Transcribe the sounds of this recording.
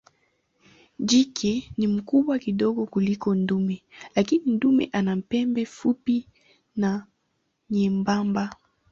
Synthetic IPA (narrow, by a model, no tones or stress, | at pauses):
d͡ʒikʰɛnimukuɓwakiɗɔɡɔkulikɔndumɛlakinindumɛ̰ʔanam̩pɛmbɛfupi | na | ɲɛmbamba